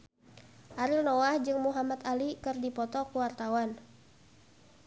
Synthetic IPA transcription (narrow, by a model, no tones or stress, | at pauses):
ʔaɾilnɔwahd͡ʒɨŋmuɦamat̪alikɨrdipɔt̪ɔkuwart̪awan